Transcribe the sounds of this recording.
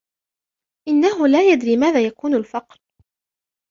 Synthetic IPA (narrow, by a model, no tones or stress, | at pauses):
ʔɪnːaɦʊlaːjad̪ɾiːmaːðaːjakuːnalfɑqɾ